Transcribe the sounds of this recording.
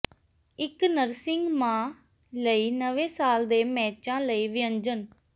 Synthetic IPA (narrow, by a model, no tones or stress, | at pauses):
ɪknəɾsɪŋɡmãː | ləiːnəʋeːsaːld̪eːmɛːt͡ʃãːləiːʋɪə̃ɲd͡ʒən